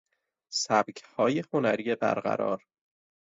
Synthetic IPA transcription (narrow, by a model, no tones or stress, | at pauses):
sæb̥cʰhɒːjehonæɾiːebæ̰ɾɢæ̰ɾɒ̰ːɾ